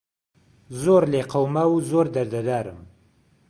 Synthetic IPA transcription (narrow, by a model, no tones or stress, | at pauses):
zoɾleqawmawuzoɾd̪aɾd̪ad̪aːɾə̰m